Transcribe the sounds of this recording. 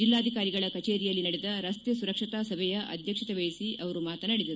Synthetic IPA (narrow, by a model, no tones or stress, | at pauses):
d͡ʒilːaːd̪ʱikaːɾiɡɐɭɐkɐt͡ʃeːɾijɐlːinɐɽɛd̪ɐɾɐst̪jɐsuɾɐkʂit̪aːsɐbʱɛjɐʔɐ̰d̪ʱjɐkʂit̪ɛʋejisiʔɐʋɐɾumaːt̪ɐnɐɽed̪ɐɾu